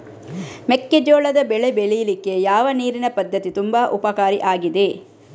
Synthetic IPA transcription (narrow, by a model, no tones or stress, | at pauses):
mekːed͡ʒoːɭɐd̪ɐbɛɭebeɭɛjɐlikːe̞jaːʋɐniːɾinɐpɐd̪ʱːɐt̪it̪umbɐːʔupɐkaːɾiʔaːɡid̪e̞